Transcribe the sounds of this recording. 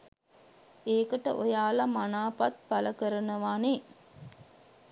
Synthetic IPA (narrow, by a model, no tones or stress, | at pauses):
eːkəʈəʔojaːlamanaːpat̪̚bɐləkəɾənəʋaːne